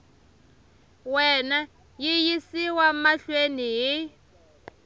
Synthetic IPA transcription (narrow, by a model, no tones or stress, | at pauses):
wɛna | jijisiwamaɬweniɦi